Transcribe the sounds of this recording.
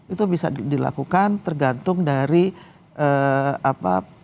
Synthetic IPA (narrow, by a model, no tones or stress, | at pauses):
it̪ubisa̰dila̰kukant̪ərɡant̪ʊŋdaɾi | əapa̰